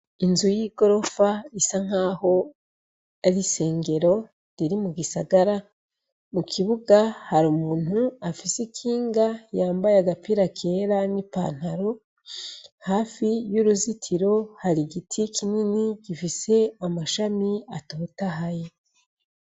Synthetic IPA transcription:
inzujiɡo̞ɾo̞faisaŋ̥aːho̞ | aɾise̞ːŋɡe̞ɾo̞ | ɾiɾimuɡisaɡaɾa | mukʰiβuɡahaɾumuːn̥huafisekʰiːŋɡajaːmbajaɡapiːɾakʰe̞ːɾanipa̰ːn̥haɾo̞ | haːfijuɾuzitʰiɾo̞haɾiɡitʰikʰininiɡifise̞amaʃamiatoːtaɦaje

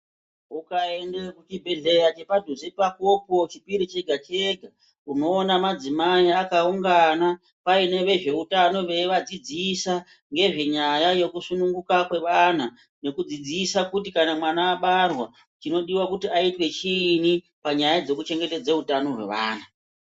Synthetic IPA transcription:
ukaendekut͡ʃibʱe̞ɮe̞ɾat͡ʃe̞paduzepakopo̞t͡ʃipiɾit͡ʃe̞ɡʱat͡ʃeɡʱa | uno̞ːnamad͡zimaiakauŋɡana | paine̞ʋe̞ʐe̞utano̞ʋe̞iʋad͡zid͡zisa | ŋɡe̞ʐe̞ɲajajo̞kusunuŋɡukakwe̞ʋan̤a | ne̞kud͡zid͡ziːsakutikanamwanaːɓarwa | t͡ʃino̞ɗiwakutiaitwe̞t͡ʃini | paɲajad͡ze̞kut͡ʃe̞ŋɡe̞te̞d͡zeutano̞rwe̞̰ʋa̰ːn̤a

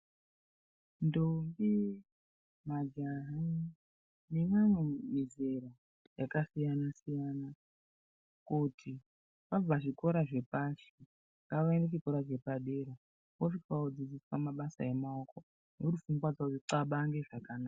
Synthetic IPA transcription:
ndovi | mad͡ʒaɦa | nemanomizera | jakasijanasijana | kutʰi | pab͡vaʐiko̞ɾaʐe̞paʃi | ŋɡaʋaeneʐiko̞ɾaʐe̞paɗe̞ɾa | koʐifaod͡zid͡ziswamaɓasa̰emaoko | nouɾufuŋɡwad͡zaoiǀaɓaŋɡe̞ʐakanaːa

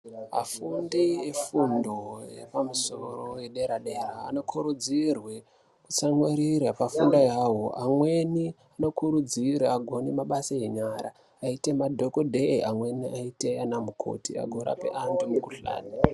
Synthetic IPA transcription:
a̰fundiefundo̞jḛpamuso̞ro̞we̞ɗe̞ɾaɗe̞ra̰ːno̞kʰuɾud͡zirwe̞ | kut͡saŋweɾiɾapafundojawo̞ʔamwe̞ni | ano̞kuɾud͡ziɾaːɡʱo̞nimaɓasajeɲaɾa̰ | aite̞madʱokodʱeiamwe̞niʔaite̞anamukʰo̰tia̰ɡʱo̞ɾa̰pḛʔandumukuɬa̰ːni

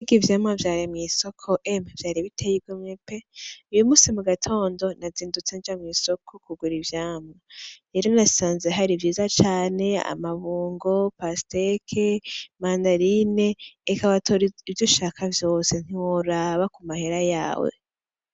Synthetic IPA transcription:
ɡivjaːmavjaːɾimŋiːsokʰoʔemevjaːɾiβitʰejib̚ɡwemŋepeujumuːsimuɡatʰo̞ːndo̞naziːndut͡send͡ʒamŋiːso̞kʰokuɡuɾivjaːmaeɾonasaːnzeɦaɾivjiːzat͡ʃaːne̞a̰maβuːŋɡo̞pastekʰemaːndaɾine̞ːkaβatʰoɾiivjoʃakʰavjo̞ːse̞n̥iwoɾaβakumahe̞ɾajaːwḛ

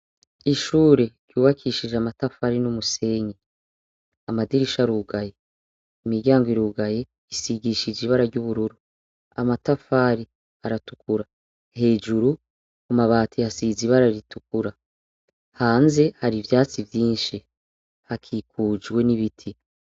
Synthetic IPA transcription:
iʃuːɾe̞ɾjuːβakʰiːʃiʒeamatafaɾinumuse̞ɲi | amadiɾiʃaɾuːɡaje | imiɾɟaːŋɡwiɾuːɡaje̞ | isiɡiʃiziβaɾaɾɟuβuɾuɾu | amatafaːɾi | haɾatu̥kuɾa | he̞ːd͡ʒuɾu | kumaβaːtʰihasiziβaɾaɾitukuɾa | haːnze̞haɾivjaːt͡sivjiːnʃi | hakʰikuːd͡ʒɡwe̞niβitʰi

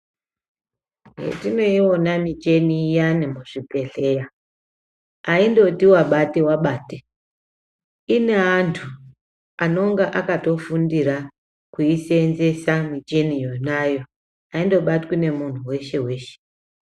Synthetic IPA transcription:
ɦḛtino̞iwo̞namid͡ʒe̞nijanemuʐ̥ipe̞ɮe̞ja | aindo̞tiwaɓatewaɓaːte | ine̞antʰu | ano̞ŋɡaʔakato̞fundiɾa | kuisenze̞samid͡ʒe̞nijo̞najo | aindo̞ɓatkwine̞mun̤uwe̞ʃe̞we̞ːʃe̥

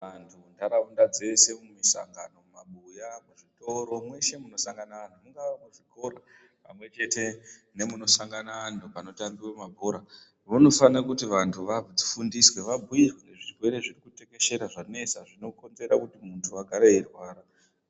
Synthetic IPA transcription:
ʋantʰundaɾaundad͡ze̞se̞mumisa̰ŋɡano̞maɓujamuʐito̞ɾo̞mwe̞ʃe̞muno̞saŋɡananumuŋɡaakuʐiko̞ɾa | pa̰mwe̞t͡ʃe̞te̞ | ne̞muno̞saŋɡanandupano̞tambiramabʱoɾa | ʋuno̞fanakutiʋantʰuʋad͡zifundiswe̞ʋabʱuirweneʐirwe̞ɾe̞ʐirikute̞ke̞ʃe̞ɾaʐane̞saʐino̞ko̞nze̞ɾakutimuntʰuaɡʱaɾeerwaːɾa

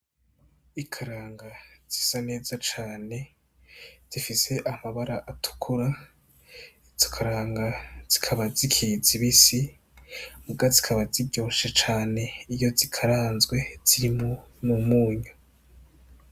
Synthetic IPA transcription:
ikʰaɾaːŋɡaz̥i̥sane̞ːzat͡ʃaːne̞ | z̥ifise̞ʔamaβaɾaʔatʰu̥kʰuɾa | iz̥okʰaɾaːŋɡaz̥i̥kʰaβazikʰiziβisi | muɡazi̥kʰaβazibɟo̞ːʃet͡ʃaːne̞ijo̞zikʰaɾaːnzɡwe̞z̥iɾimo | mumuːɲa

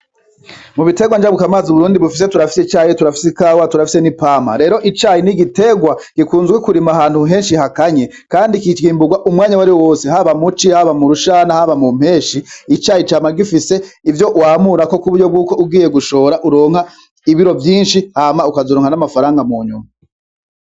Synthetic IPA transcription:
muβite̞ɡwand͡ʒaβukamaːzuβuɾuːndiβufis̬etuɾafi̥sit͡ʃaːjituɾafi̥sikawatuɾafi̥se̞nipama̰ɾe̞ːɾo̞ʔit͡ʃaːjiniɡite̞ɡwaɡ̥ikuːnzɡwekuɾimaɦaːn̥huɦe̞ːnʃiɦakaɲe̞ | kaːndikit͡ʃɡiːmbuɡwaʔumŋaːɲawaɾiwowo̞ːseɦaβamut͡ʃihaβamuɾuʃanahaβamum̥he̞ːʃiːt͡ʃaːjit͡ʃaːmaɡifise̞ivjo̞ʔwaːmuɾako̞kuβuɾɟo̞b̚ɡuːko̞ub̚ɡiːje̞ɡuʃo̞ːɾaʔuɾo̞ːŋ̥ha | iβiɾo̞vjiːnʃihamaukazoɾoːŋhanamafaɾaːŋɡamuːɲṵma

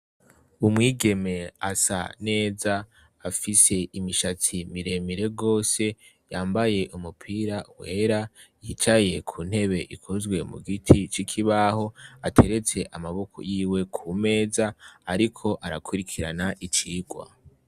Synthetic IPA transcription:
umŋiːɡe̞me̞a̰sa̰ne̞ːzaː | fise̞imiʃat͡simiɾe̞miɾe̞ɡo̞ːse̞ | jaːmbaje̞ʔumupʰiːɾawe̞ːɾajiːt͡ʃaje̞kʰuːn̥he̞βe̞ʔikʰozɡwe̞mṵɡitʰit͡ʃikʰiβaho̞atʰe̞ɾe̞t͡se̞ʔamaβo̞kʰo̰jiːwe̞kʰume̞ːzaːɾikʰo̞ʔaɾakʰuɾikʰiɾa̰naʔit͡ʃiːɡwa̰

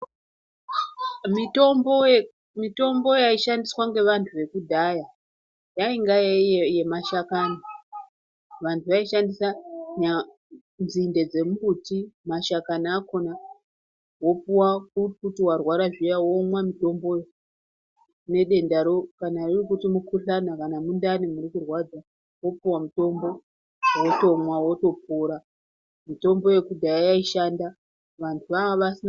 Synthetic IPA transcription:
mitombo | mito̞mbo̞jaiʃandiswaŋɡe̞ʋantʰuʋe̞kudʱaja | jaiŋɡajajemaʃakana | ʋantʰuʋaiʃandisaɲa | nzinde̞d͡ze̞mubutimaʃakanaːko̞na | wo̞puwakukutiwarwaɾaʐijawomwamito̞mbo̞je | ne̞ɗe̞ndaɾo̞kanairikutimukuɬanakanamundanimuɾikurwad͡za | wo̞puwamuto̞mbo̞ | woto̞mwawo̞to̞puɾa | mito̞mbo̞je̞kudʱajajaiʃanda | ʋantʰuʋaʋasin

